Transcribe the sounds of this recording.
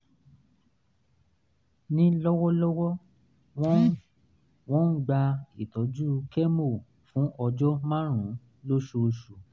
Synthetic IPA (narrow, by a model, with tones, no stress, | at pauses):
nĩ˦lɔ˦wɔ˦lɔ˦wɔ˦ | wɔ̃˦ | w̃ɔ̃˦n̩˦ɡ͡ba˧i˨tɔ˨˦d͡ʒu˦kɛ˦mo˦˨ | fũ˨˦ʔɔ˧d͡ʒɔ˦mã˦ɾ̃ũ˨˦ | lo˦ʃo˧ʃu˨